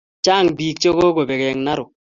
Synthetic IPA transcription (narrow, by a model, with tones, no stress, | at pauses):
t͡ʃa˦˨ŋbi˨kt͡ʃo˦ɣo˦ɡo˨be˨ɡɛ˨ŋna˦ɾʊ˨